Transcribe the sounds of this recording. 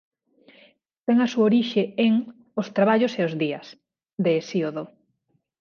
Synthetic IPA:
t̪eŋasuaoɾiʃeeŋ | ost̪ɾaβaʎoseozðiɐs | d̪eːsioðo

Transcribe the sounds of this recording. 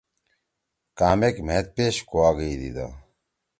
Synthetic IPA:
kaːmekmet̪̚peːɕkoaːɡəid̪ḭd̪a̰

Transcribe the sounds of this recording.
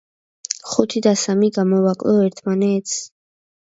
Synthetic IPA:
χut̪ʰid̪asamiɡamɔvakʼlɔɛɾt̪ʰmanɛt̪ʰs

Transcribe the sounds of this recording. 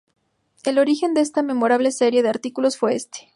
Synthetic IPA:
e̞lo̞ɾixe̞nd̪eest̪ame̞mo̞ɾaβlese̞ɾje̞ðeaɾt̪ikulo̞sfwe̞est̪e̥

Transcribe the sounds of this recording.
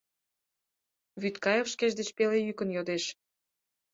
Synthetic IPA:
βyt̪kɑjefʃkeʃd̪et͡ɕpelejykənjod̪eʃ

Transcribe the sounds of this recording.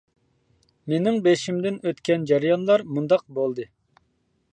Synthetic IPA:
menɪŋbeʃimd̪ɪnøt̪kʲɛnd͡ʒɑɾjɑnlˠɑɾmund̪ɑq̚bolˠd̪ɨ

